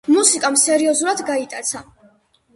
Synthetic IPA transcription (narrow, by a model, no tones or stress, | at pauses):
musikʼamsɛɾiɔzuɾad̪ɡait̪ʼat̪sʰa